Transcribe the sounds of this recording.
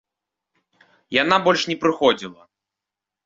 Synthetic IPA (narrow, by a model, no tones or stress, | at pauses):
janabɔlʲʂnʲɛpɾɨxɔd͡zʲilˠɐ